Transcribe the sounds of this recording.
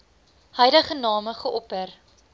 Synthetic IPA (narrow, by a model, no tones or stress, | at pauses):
həjləχənɑːməχəʔɔpər